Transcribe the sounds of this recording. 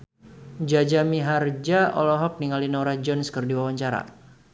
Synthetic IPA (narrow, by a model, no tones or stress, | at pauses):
d͡ʒad͡ʒamiɦard͡ʒaɔ̰lɔɦɔk̚niŋalinaɾad͡ʒɔnskərdiwawaɲt͡ʃaɾa̰